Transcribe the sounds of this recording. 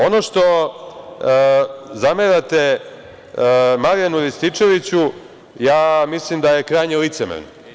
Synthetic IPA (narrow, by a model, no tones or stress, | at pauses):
ono̞ʂt̪o̞ | zameɾat̪e | maɾjanulist̪it͡ʂe̞ʋit͡ɕu | jaːmislimd̪aje̞kɾaːjɲelit̪semḛno̰